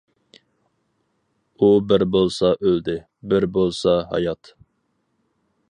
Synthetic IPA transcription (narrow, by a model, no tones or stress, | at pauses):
ubɪɾbolˠsɑʔøld̪ɪ | bɪɾbolˠsɑɦɑ̰jɑt̪